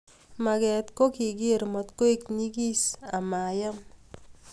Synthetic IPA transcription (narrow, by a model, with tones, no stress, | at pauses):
ma˨ɡɛ˨t̪ko˦ki˨ɡɪ˦ɾmɔ˨t̪ko˦e˦kni˦ɡi˦sa˨ma˨ja˦m